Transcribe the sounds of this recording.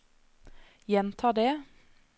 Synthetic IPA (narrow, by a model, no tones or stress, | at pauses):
jɛnt̪ʰɑːd̪eː